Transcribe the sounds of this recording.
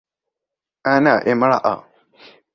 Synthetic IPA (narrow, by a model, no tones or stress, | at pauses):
anaʔemaɽa̰ʔa̰